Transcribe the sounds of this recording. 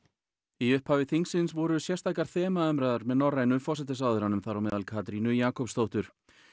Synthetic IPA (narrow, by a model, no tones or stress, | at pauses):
iʏhphaːvɪθiŋksɪnsvɔɾʏsjɛr̥st̪ajkaɾ̥θɛːmaœmɾaðʏɾmɛðnɔrːajnʏfɔr̥sɛt̪ɪsawðʏɾanʏmθaɾawmɛðalkʰaːt̪ɾinʏjaːkʰɔwpst̪owht̪ʏɾ̥